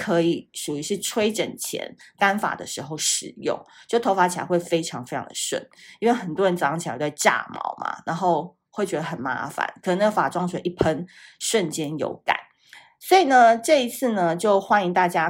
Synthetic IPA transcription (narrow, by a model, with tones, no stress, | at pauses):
kʰɤ˧˦i˨˩ʂu˨˩y˧˥ʂɻ̩˥˩ʈ͡ʂʰwe˥ɪʈ͡ʂə̰˨˩nt͡ɕʰjɛ̰˧˥nka˥nfa̰˨˩d̪ə̰˨ʂɻ̩˧˥xo˥˧ʊʂɻ̩˨˩jʊ̰˥˩ŋt͡ɕjo˥˩t̪ʰo˧˥ʊfa˧˥t͡ɕʰa˧˦xwe˥˩ɪfe˥ɪʈ͡ʂʰɑ˧˥ŋfe˥ɪɑ̰˧ŋd̪̥ə̰˧ʂwə̰˥˨˩ni˥nwe˥˩ɪxə˨˩nt̪wɔ˥ɻə˧˦nt͡sɑ˧˥ŋt͡ɕʰi˨˩˧ʈ͡ʂa̰˥˩mɑ̰˧˥ʊma̰˩na˧˥nxo˥˧ʊ | we˥˩ɪt͡ɕɥɛ˧˥d̪ə˧xə˨˩nma̰˧˥fa̰˨˩˦nk̪ʰə˧˦n˥ɡə˧fa˨˩ʈ͡ʂwɑ˥ŋswɛ˨˩ʔi˥˩pʰə˥nʂwə˥˨nt͡ɕjɛ˥njo̰˧˥ʊka̰˨˩˦n | swɔ˧˥i˨˩nə˧ʈ͡ʂɤ˥˩i˧˥t͡s̩ʰ˥˩nə˨t͡ɕjo˥˩ʊxwa˦ni˧ŋt̪a˥˩t͡ɕja˥